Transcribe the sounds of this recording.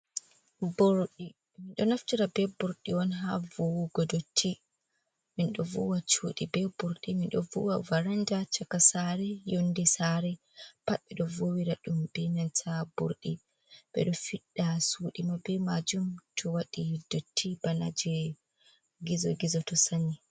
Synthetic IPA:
bɔɾɗi | minɗɔnaftiɾabɛbuɾɗiwɔnɦavowuɡɔdotʰːi | minɗɔvṵwat͡ʃuɗibɛbuɾɗiminɗɔ̰vṵwavaɾand͡ʒat͡ʃakasaɾɛjondisaɾɛ | paɓɛɗɔvowiɾaɗumbɛnantʰabṵɾɗḭ | bɛ̰ɗɔfiɗːasuːɗimabɛmad͡ʒumtʰɔwaɗidotʰːibana̰d͡ʒɛ | ɡizɔ̰ɡizɔtɔsani

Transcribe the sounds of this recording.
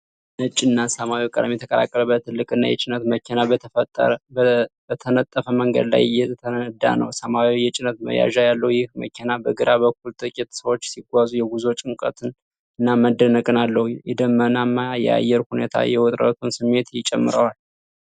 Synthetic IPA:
nət͡ʃʼːɪnːasəmawikʼəd̪mjɛt̪ʰəkʼəla̰kʼːələbət̪ʰːɨlːɨkʼɨnːa̰jɛ̰t͡ʃʼɪnət̪məkʰenat | bət̪ʰənət̪ʼːəfəməŋɡə̰d̪la̰jjɛt̪ʰəəd̪a̰nə̰wsəmawijɛt͡ʃʼɪnət̪̚mə̰ja̰ʒajalːəhujɪhmə̰kʰenabəɡɨɾabəkʰːult̪ʼɨkʼit̪səwo̞t͡ʃːsiɡʷazujɛɡuzot͡ʃʼɨŋkʼə̰t̪ʰɨn | ɨnːaməd̪ːənəkʼɨnalːəhujɛd̪əmːənamːajɛ̰a̰jːɛɾhunḛt̪ʰa̰jɛwɔt̪ʼɾə̰t̪ʰunsɨmːe̞t̪t͡ʃʼɛmːɨɾəwal

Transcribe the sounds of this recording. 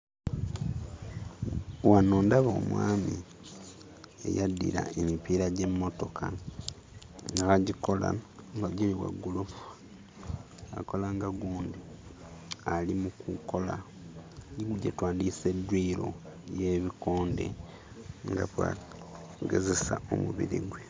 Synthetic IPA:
wano̞ːndaβoːmwa̰ːmi | e̞̰jadːḭɾa̰emipiːɾaɟe̞mːo̞to̞kʰa | ŋɡaxaɟiko̞la̰ŋɡaɟiliwa̰ɡːulufu̥ | ako̞laŋɡaɡuːndi | alimukuko̞la | ɡiɡuɟetwaːndise̞dwiːɾo̞̰je̞ːβikoːnde̞̰ | ŋɡaβwa̰ | ɡe̞ze̞sao̰muβḭɾḭɡwe

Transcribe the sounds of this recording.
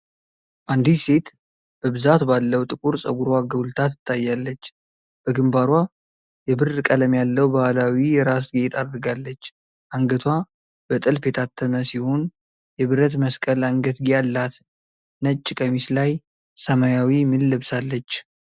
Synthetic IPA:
ʔand̪ise̞t̪ | b̥əbɨzat̪balːəwt̪ʼɨkʼuɾsʼəɡuɾwaɡəwlt̪ʰat̪ɨ̥t̪ʰːajːalːət͡ʃː | b̥əɡɨmbaɾwa | jɛbɨrkʼələmjalːəwbahalawijɛɾas̬ɡit̪ʰad̪ɾɨɡalːət͡ʃː | ʔaŋɡət̪ʰwa | b̥ət̪ʼɨlfe̞t̪ʰat̪ʰːəməsihon | jɛβɨɾət̪məskʼəlaŋɡət̪ɡijalːat̪ | nət͡ʃʼːɪkʼəmislaj | səmajawimɨlːɨβsalːət͡ʃː

